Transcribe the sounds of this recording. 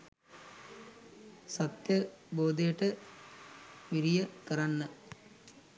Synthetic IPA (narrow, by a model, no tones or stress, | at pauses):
sɐt̪jɐboːd̪ejəʈə | ʋiɾijəkɐɾanːɐ